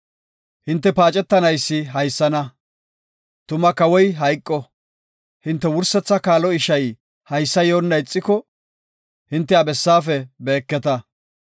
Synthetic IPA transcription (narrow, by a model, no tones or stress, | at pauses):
hɪnt̪ːɛpaːt͡ʃʼɛt̪ːɐnɐjsːɪɦɐjsːɐnɐ | t̪ʊmɐkɐwɔjɦɐjkʼːɔ | hɪnt̪ːɛwʊɾsːɛt͡sːɐkaːlɔɪʃɐj | hɐjsːɐjoːnːɐjɪt͡sʼːɪkɔ | hɪnt̪ːɛɐbɛsːaːfɛbe̞ːkːɛt̪ɐ